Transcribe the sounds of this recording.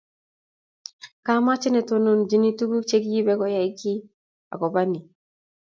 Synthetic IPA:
ka˦ma˦t͡ʃɪ˦nɛ˨to˨no˨nd͡ʒi˦ni˦tu˦ɡu˦t͡ʃe˦kji˦bɛ˦ɡɔ˦ja˨i˦ɡi˦ | a̰˨ɡɔ˨ba˦ni˨

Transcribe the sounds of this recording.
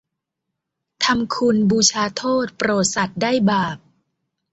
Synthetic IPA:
t̪ʰa˧mkʰu˧nbuː˧t͡ɕʰaː˧t̪ʰoː˥˩t̪̚pɾoː˨˩t̪̚sa˨˩t̪̚daː˥˩jbaː˨˩p̚

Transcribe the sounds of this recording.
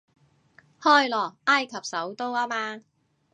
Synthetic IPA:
hɔː˥˩jlɔː˨˩ʔaː˥jkʰɐ˨p̚sɐ˨˥wt̪o˥waː˥maː˧

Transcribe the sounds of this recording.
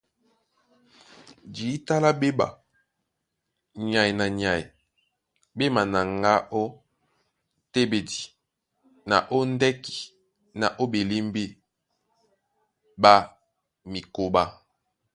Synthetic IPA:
d͡ʒi˨i˦ta˦la˦be˦ba̰˨ | ɲ˨a˨i˨na˨ɲa˨i˨ | be˦ma˨na˨ŋɡa˦ʔo˦ | te˦be˨di˨ | na˨ʔo˦ndɛ˦ki̥˨ | na˨ʔo˦be˨li˦mbi˦ | ba˦ | mi˨ko˨ba˦

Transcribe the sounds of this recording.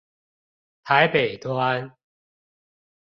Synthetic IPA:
t̪ʰa˨˦ɪpe˨˩ɪt̪ʰwa˦n

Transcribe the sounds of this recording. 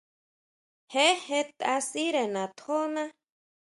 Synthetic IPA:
he˦he˦t̪a˧siɾe˨nã˨t̪ho˦na˦

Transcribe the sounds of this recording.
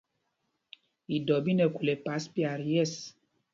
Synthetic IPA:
i˨dɔ˨bi˦nɛ˨ku˨lɛ˨pa˨˦spi˦a˨ɾjɛ˦s

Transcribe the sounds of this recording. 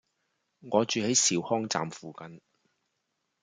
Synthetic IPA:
ŋɔː˨˧t͡ʃyː˨he˨˥jsiː˨˧whɔː˥ŋt͡sa̰ː˨mfuː˨kɐ˨˧n

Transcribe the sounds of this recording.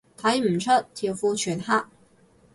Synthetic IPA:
t̪ʰa˨˥jm̩˨˩t͡ʃʰə˥tt̪ʰːi˨˩wfu˥˧t͡ʃʰy˨˩nha˥ʔ̚

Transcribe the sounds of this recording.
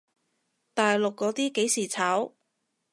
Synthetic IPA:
t̪aː˨jlʊ˨kːɔː˨˥t̪iː˥ke˨˥jsiː˨˩t͡sʰaː˨˥w

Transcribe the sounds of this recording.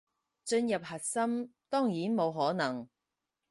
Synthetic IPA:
t͡sɵ˧njɐ˨p̚ɦɐ˨˩t̚sɐ˥mt̪ɔː˥ŋjiː˨˥nmo˨˧wɦɔː˨˥nɐ˨˩ŋ

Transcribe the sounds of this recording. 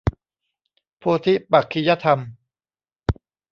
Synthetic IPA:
pʰuː˧t̪ʰi˦˥pa˨˩kʰːi˧ja˦˥t̪ʰa˧m

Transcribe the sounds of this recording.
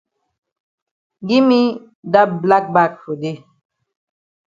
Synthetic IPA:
ɡi˦mi˦ | da˦bla˦k̚ba˦˨k̚fo˨de˦˨

